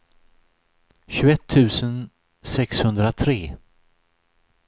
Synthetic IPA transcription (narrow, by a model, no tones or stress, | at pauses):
ɕʉɛt̪ʰːʉ̟ːsən | sɛkshɵnd̪ɾat̪ʰɾeː